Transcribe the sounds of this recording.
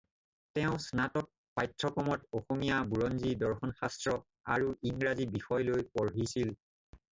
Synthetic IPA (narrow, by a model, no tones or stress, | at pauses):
tɛʊ̃snatɔt̚ | pajtʰɹɔkɔmɔtoxomijabuɹɔnzidɔɹxɔnxastɹɔ | a̰ɹuʔiŋɹazibixɔjlojpɔɹɦisil